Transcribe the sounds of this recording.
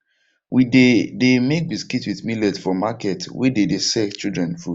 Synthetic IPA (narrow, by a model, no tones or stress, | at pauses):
widedemek̚biskitwiθmilɛdfɔmakɛtwɛ̰dedesɛt͡ʃildɹɛ̃nfud̥